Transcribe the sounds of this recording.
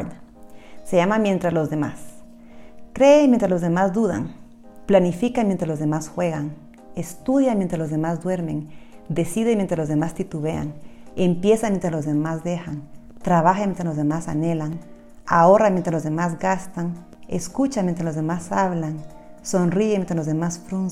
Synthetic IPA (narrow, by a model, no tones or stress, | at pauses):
eʝamamje̞nt̪ɾazlo̞zðema̰s | kɾeːmjent̪ɾazlozðemazd̪uða̰ŋ | planifikamjent̪ɾazlo̞zðemasxwe̞ɣaŋ | est̪uðjamjent̪ɾaslozðemazd̪we̞ɾme̞ŋd̪e̞siðemjent̪ɾalo̞zðemast̪it̪uβea̰ŋempje̞samjent̪ɾaslozðemazd̪exan | t̪ɾaβaxamjent̪ɾalozðemasa̰nelaŋ | aoramjent̪ɾalo̞zðemazɡast̪aŋ | ḛskut͡ʃamjent̪ɾalo̞zðemasaβlaŋsonriemjent̪ɾalozðemasfɾun